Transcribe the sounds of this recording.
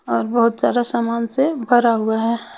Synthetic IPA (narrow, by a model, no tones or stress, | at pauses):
ɔːɾbɐɦʊt̪zaːd̪asaːmaːnsebʱɐɾaɦʊaɦɛː